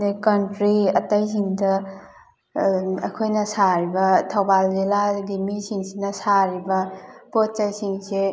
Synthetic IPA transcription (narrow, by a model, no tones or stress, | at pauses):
nekɐntɾiɐtajs̬iŋdɐ | ɐkʰojnɐsaɾibɐtʰawbalziladimisiŋsinɐsaɾibɐpot̚t͡ʃajsiŋse